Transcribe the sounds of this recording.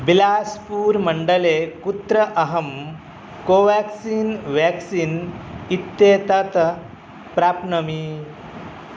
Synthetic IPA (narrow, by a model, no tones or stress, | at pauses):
bilaspuːɾməɳɖəlekut̪ɾəʔɐɦəm | koʋɛksiːnʋɛksiːnit̪ːjet̪ɐt̪ | pɾapnəmi